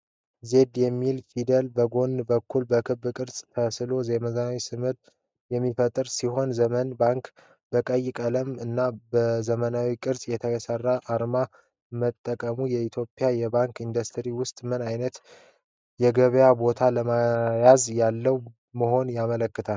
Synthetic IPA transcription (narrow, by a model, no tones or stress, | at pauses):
ze̞d̪jɛmːilfid̪əlbəɡo̞nbəkːulbəkʰɨbːkʼɨɾsʼt̪ʰəsɨlo̞zeməzawisɨmɨɾ | jɛmːifət̪ʼɨɾsiho̞nzəmənbaŋk | bəkʼəjɪkʼələmɨnːabəzəmənawikʼɨɾsʼjɛt̪ʰəɡəsərːaʔːɾma | mət̪ʼːəkʼəmujɛit̪ʰjo̞pʼjajɛbaŋkind̪əst̪ʰɨɾiwʊst̪ʼmɨnajnət̪ | jɛɡəβjabo̞t̪ʰaləmajazjalːəw | məɦo̞njamələkːɨt̪ʰal